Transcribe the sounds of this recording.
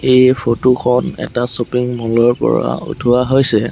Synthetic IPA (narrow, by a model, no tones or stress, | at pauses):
ejpʰotokʰɔnɛ̰tasopiŋmɔlɔɹpɔ̰ɹa̰ṵtʰuaɦojsɛ